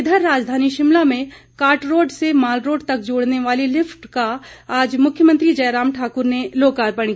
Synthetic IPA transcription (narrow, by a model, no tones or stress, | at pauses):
ɪd̪ʱəɾːaːd͡ʒd̪ʱaːniʃɪmlamẽ | kaːɾʈɾoːɖsemaːlɾoːɖt̪ɐkd͡ʒoːɽneʋaːlilɪpʰʈkaaːd͡ʒmʊkʰjəmə̃nt̪ɾid͡ʒɐjɾaːmʈʰaːkʊɾneloːkaːɾpɐɽ̃k